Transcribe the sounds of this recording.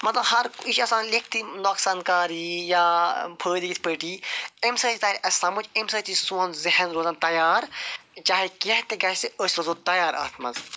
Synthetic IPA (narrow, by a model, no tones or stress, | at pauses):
mɐt̪lɐbhɐɾiʃɐsaːnlek̚ʰt̪inoːksaːnkaːɾijaːpʰəːd̪iɡit̪ʲpəːʈiːemsɐt̪ʰʲit̪aːɾʲʔɐsʲsɐmut͡ʃemsɐːt̪isuːnzɪɦɐnɾoːzɐnt̪ɐjaːɾt͡ʃaːɦekeɦt̪eɡɐʃseosʲɐzoːt̪ɐjaːɾɐ̰ːt̪ʰmɐ̰nz